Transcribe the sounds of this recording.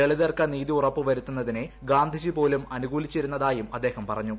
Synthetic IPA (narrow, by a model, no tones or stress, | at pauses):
eɭiðerkːɐniːðiurɐpːɨʋɐɾut̪ːunːɐðineɡaːnd̪ʱid͡ʑipo̞ːlumɐnuɡuːlit͡ɕːiɾunːɐðaːjumɐd̪ːe̞ːhɐmpɐrɐɲːu